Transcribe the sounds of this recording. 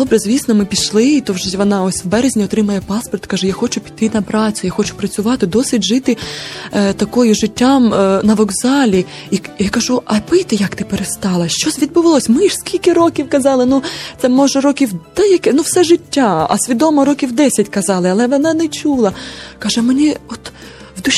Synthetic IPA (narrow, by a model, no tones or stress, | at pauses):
d̥̪ɔbɾɛzʲʋʲisnɔmɪpʲiʃlˠɪit̪ɔwʒʋɔnɑɔsʲwbɛɾezʲnʲiɔt̪ɾɪmɐjɛpɑspɔrt̪kɑʒɛjaxɔt͡ʃʊpʲi̥t̪ːɪnɐpɾɑt͡sʲʊjaxɔt͡ʃʊ̥pɾɐt͡sʲʊʋɑt̪ɪd̪ɔsɪtʲʒɪt̪ɪ | t̪ɐkɔjʊʒɪtʲːamnɐʋɔɡzɑlʲi | ijakɐʒuʔɐpɪjt̪ɪjɐkt̪ɪpeɾest̪ɑlˠɐʃt͡ʃɔsʲʋʲid̪bʊʋɐlˠɔsʲmɪskʲilʲkɪɾɔkʲiwkɐzɑlˠɪnut̪sɛmɔʒɛɾɔkʲiwd̪̥ɛjɐkɪnuwsɛʒɪtʲːaɐ̰sʲʋʲid̪ɔmɔɾɔkʲiwd̪ɛsʲɐtʲkɐzɑlˠɪɐlˠɛʋɔnɑnɛt͡ʃʲulˠɐkɑʒɛmenʲiɔt̪ | wd̪ʊ